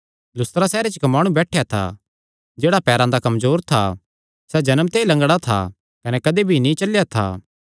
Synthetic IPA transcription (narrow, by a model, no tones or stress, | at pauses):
lʊst̪ɾasɛːɾet͡ʃkɐmaːɽ̃ũbɛːʈʰjat̪ʰa̰ | d͡ʒeːɽapɛːɾãd̪akɐmzoːɾt̪ʰa̰ | sɛd͡ʒɐnəmt̪eilɐ̃ŋɡɽat̪ʰa̰ | kɐnɛkɐd̪ebʱinĩt͡ʃɐljat̪ʰa̰ː